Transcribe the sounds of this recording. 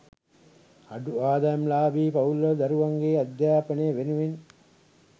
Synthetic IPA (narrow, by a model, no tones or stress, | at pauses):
aɖuaːd̪ajɐmlaːbiːpɐulːəd̪ɐɾuʋaŋɡeːad̪jaːpənejːʋenuʋen